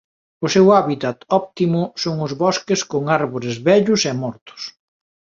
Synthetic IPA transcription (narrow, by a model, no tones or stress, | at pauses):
ʊsewaβit̪at̪ɔp̚t̪imʊsoŋʊzβɔskeskoŋaɾβoɾɪzβɛʎʊsɛmɔɾt̪ʊ̥s